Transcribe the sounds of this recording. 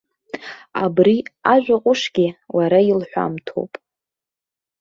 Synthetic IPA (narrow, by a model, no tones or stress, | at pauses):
a̰briaʒᶣʷaqʷʼʊʂɡʲiwaɾailħʷa̰mtʰo̰wpʼ